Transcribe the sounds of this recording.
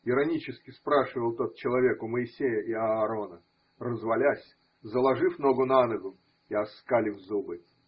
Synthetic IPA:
ɪɾɐnʲit͡ɕɪskʲɪspɾaʂɨvəlˠt̪o̞t̪̚t͡ɕɪlˠɐvʲe̞kʊməɪsʲejəʔiɐːɾo̞nə | rəzvɐlʲasʲ | zəlˠɐʐɨfno̞ɡʊnanəɡʊ | iɐskalʲɪvzubɨ

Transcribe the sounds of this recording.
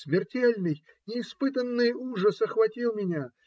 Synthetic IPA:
smʲɪrtʲelʲnɨj | nʲɪːspɨt̪ənːɨjuʐəsɐxvɐtʲilˠmʲɪnʲa

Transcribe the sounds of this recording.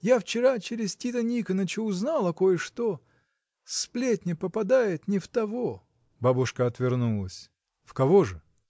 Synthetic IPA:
jaft͡ɕɪɾat͡ɕeɾʲɪztʲit̪ənʲikənət͡ɕʊʊznalˠɐkojʂt̪o | splʲetʲnʲɪpəpɐd̪ajɪt̪nʲɪft̪ɐvo | babʊʂkəɐt̪vʲɪrnulˠəsʲ | fkɐvoʐɨ

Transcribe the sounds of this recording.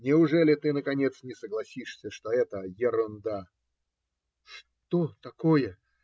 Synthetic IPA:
nʲɪʊʐɛlʲɪt̪ɨnəkɐnʲet̪snʲɪsəɡlˠɐsʲiʂsʲəʂt̪oɛt̪əjɪɾʊnd̪a | ʂ | t̪ot̪ɐkojə

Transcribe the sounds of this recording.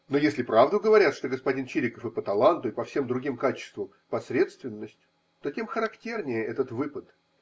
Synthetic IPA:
nojesʲlʲɪpɾavd̪ʊɡəvɐɾʲat̪ʂt̪o̞ɡəspɐdʲint͡ɕiɾʲɪkəfɨpət̪ɐlˠant̪ʊɪpɐfsʲe̞md̪ɾʊɡʲimkat͡ɕɪ̥st̪vəm | pɐsʲɾʲe̞t̪st̪vʲɪnːəsʲtʲ | t̪o̞tʲe̞mxəɾɐktʲe̞rnʲɪjəʔɛt̪ət̪vɨpət̪

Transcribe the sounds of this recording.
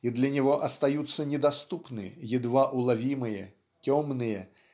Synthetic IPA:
id̪lʲɐnʲɪvɔʔɐst̪ɐjut̪sːənʲɪd̪ɐst̪upnɨjɪd̪vaʔʊlˠavʲimɨjə̰ | tʲɔmnɨjə

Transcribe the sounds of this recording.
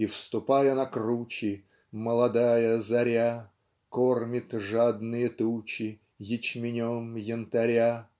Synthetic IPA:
ifst̪ʊpajənɐkrut͡ɕɪ | məlˠɐd̪ajəzɐɾʲa | kormʲɪt̪ʐad̪nɨjət̪ut͡ɕɪ | jɪt͡ɕmʲɪnʲomjɪnt̪ɐɾʲa

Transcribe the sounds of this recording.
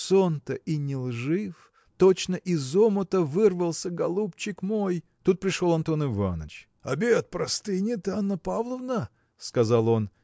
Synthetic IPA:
sont̪əʔinʲɪlˠʐɨf | t̪ot͡ɕnəʔɪzomət̪əvɨrvəlˠsʲəɡɐlˠupt͡ɕɪkmoj | t̪ut̪̚pɾʲɪʂo̞lˠɐnt̪o̞nɪva̰nə̰t͡ɕ | ɐ̰bʲet̪̚pɾɐst̪ɨjnʲɪt̪anːəpavlˠəvnə | skɐzɑlˠo̞n

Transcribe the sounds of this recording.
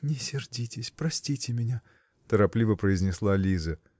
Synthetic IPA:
nʲɪsʲɪrdʲitʲɪsʲpɾɐsʲtʲitʲɪmʲɪnʲa | t̪əɾɐplʲivəpɾəɪzʲnʲɪslˠalʲizə

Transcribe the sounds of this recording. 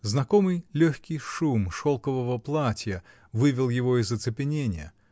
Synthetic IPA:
znɐkomɨjlʲoçʲkʲɪjʂumʂolˠkəvəvəplˠatʲjə | vɨvʲɪlˠjɪvo̞ɪzːət̪sɨpʲɪnʲenʲɪjə̰

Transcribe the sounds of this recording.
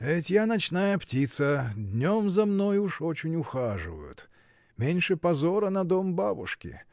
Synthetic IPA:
ɛtʲjanɐt͡ɕnajəptʲit̪səd̪ʲnʲo̞mzɐmno̞juʂo̞t͡ɕɪnʲʊxaʐɨ̰və̰jʊ̰t̪ | mʲenʲʂɨpɐzoɾənɐd̪ombabʊ̰ʂkʲɪ̰

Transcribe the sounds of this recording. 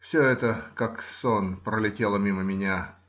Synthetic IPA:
fsʲoɛt̪əkaksonpɾəlʲɪtʲe̞lˠəmʲiməmʲɪnʲa

